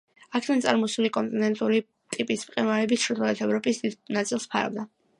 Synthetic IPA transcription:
akʰɛd̪ant̪sʼaɾmɔsulikʼɔnt̪ʼinɛnt̪ʼuɾi | t̪ʼipʼismqʼɛnwaɾɛbit̪ʃɾut̪ʰɔɛt̪ʰɛvɾɔpʼisd̪id̪nat̪sʼilˠspʰa̰ɾa̰vd̪a

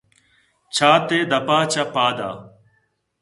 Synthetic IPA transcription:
t͡ʃʰaːt̪eːd̪əpaːt͡ʃapaːd̪a̰ː

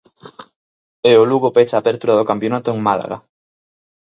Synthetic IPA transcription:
eoluɣopet͡ʃaːpeɾt̪uɾaðokampjonat̪oeŋmala̰ɣa̰

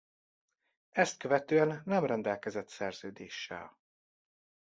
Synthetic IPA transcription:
ɛst̪̚køvɛt̪øːɛnːɛmrɛnd̪ɛlkɛzɛt̪sɛrz̥øːd̪eːʃːɛ̰l

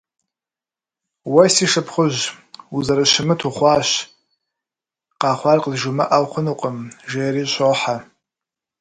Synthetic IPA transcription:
wasiʂapʰχʷʊʒ | uzaɾɨʃɪmɨtʰuχʷaːʃ | qaːχʷarqʼzʒumɨʔawχʷʊnuqʼəmʒejɾiɕʷʰʼoħa

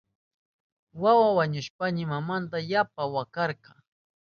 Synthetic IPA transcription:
wawawaɲʊʃpaɲɪmamant̪ajapawakɑɾqɑŋ

